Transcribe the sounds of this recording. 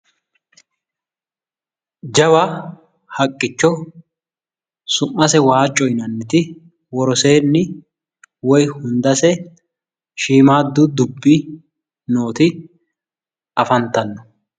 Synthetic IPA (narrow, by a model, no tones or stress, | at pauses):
d͡ʒɐwɐ | hɐkʼːɪt͡ʃːɔ | sʊmːɐsɛwaːt͡ʃʼːɔjnɐnːɪt̪ɪ | wɔɾɔseːnːɪ | wɔjhʊnd̪ɐsɛ | ʃiːmaːd̪ːʊd̪ʊbːi | no̞ːt̪ɪ | ʔɐfɐnt̪ɐnːɔ